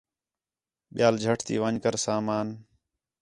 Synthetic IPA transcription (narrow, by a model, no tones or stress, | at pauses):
ɓɪjaːld͡ʒʱəʈʰt̪ḭːʋəɲkəɾsaːmaːn